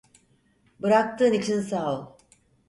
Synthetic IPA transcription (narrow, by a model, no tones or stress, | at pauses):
bɯɾak̚t̪ʰɯːnit͡ʃʰinsalˠ